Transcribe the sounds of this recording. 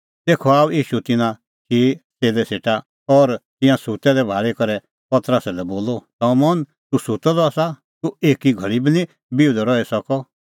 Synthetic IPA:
t̪eːkʰɔaːuiːʃut̪ɪnã | kʰiseːlɛseːʈa | ɔɾt̪ɪ̃jãsut̪ɛɾɛbʱaːɭekɔɾɛ | pɐt̪ɾəsɛlɛboːlɔsɔ̃mɔn | t̪usut̪ɛd̪ɔasa | t̪ueːkiɡʱɐɭibinĩ | biʊd̪ʱɔɾɔɛsɐkɔ

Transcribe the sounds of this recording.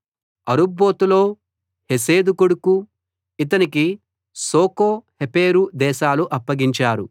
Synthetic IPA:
ɐɾubːo̞ːt̪ulo̞ː | hes̬e̞ːd̪ukuɽuku | it̪ɐniki | soːkoːhepeːɾud̪ɛːʃaːluʔɐpːɐɡiɲt͡ʃaːɾu

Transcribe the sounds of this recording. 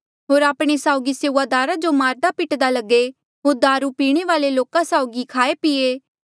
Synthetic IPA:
ɦoːɾaːpɽ̃esaːʊɡiseːuːaːd̪aːɾad͡ʒomaːɾd̪apɪʈd̪alɐɡːe | ɦoːɾd̪aːɾupiːɽ̃eʋaːleloːkãsaːʊɡikʰaːepieː

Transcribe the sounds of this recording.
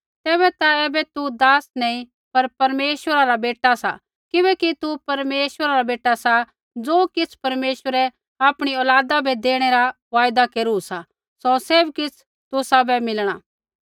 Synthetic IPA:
t̪ɛːβɛt̪aɛːbɛt̪ud̪aːsnɛ̃ĩ | pɐɾpɐɾmeːʃwəɾaɾabeːʈasa̰ | kɪbɛːkit̪upɐɾmeːʃwəɾaɾabeːʈasa | d͡zoːkɪt͡sʰpɐɾmeːʃwəɾɛ | aːpɽ̃iɔːlaːd̪abʱɛd̪eːɽ̃eɾa | ʋaːjd̪akeːɾusa | sɔseːbkɪt͡sʰ | t̪ʊsabɛmɪlɽ̃aː

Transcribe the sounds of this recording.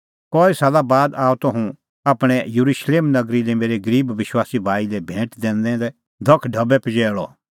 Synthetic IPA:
kɔːisaːlabaːd̪aːot̪ɐɦũ | aːpɽ̃ɛjɐɾuʃleːmnɐɡɾilɛmeːɾeɡɐɾiːbʋɪʃwaːsibʱaːilɛbʱẽːʈd̪ɛ̃ːnd̪ɛ̃d̪ɛ | d̪ʱɐkʰɖʱɐbɛpɐd͡ʒɛːɭɔ̰

